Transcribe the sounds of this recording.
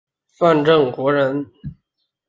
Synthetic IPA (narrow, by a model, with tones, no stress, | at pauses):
fa˥˧nʈ͡ʂɤ˥˩ŋkwɔ˧˥ɻə˧˥n